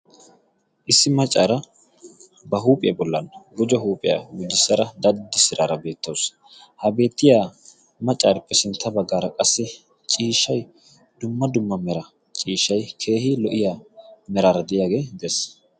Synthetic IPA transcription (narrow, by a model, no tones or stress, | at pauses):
ʔɪsːɪmɐt͡ʃʼːaːɾɐ | bɐɦuːpʼɪjɐbɔlːɐnɡʊd͡ʒɔɦuːpʼɪja̰ɡʊd͡ʒːɪsːɐɾɐd̪ɐd̪ːɪsɪɾaːɾɐbe̞ːt̪ːoːs | hɐbe̞ːt̪ːɪjaː | mɐt͡ʃʼːaːɾɛpːɛsɪnt̪ːɐbɐɡːaːɾɐkʼɐsːɪ | t͡ʃʼiːʃːɐj | d̪̥ʊmːɐd̪ʊmːɐmɛɾɐ | t͡ʃʼiːʃɐjkʰe̞ːhɪlɔʔɪjaːmɛɾaːɾɐd̪ɪjaːɡe̞ːd̪ɛs